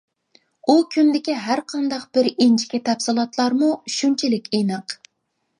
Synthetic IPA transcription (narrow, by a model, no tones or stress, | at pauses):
ukʲʰynd̪ɪkʲiɦæɾqʰɑnd̪ɑqb̥ɪɾint͡ʃʰi̥kʲɛt̪ʰɛpsɨlˠɑt̪ʰlˠɑɾmuʃynt͡ʃʰɪlɪkʲʰenɨq